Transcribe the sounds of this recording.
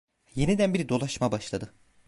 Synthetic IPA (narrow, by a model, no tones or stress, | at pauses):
je̞nid̪ænbiɾid̪o̞lˠaʃmabaʃlˠad̪ɯ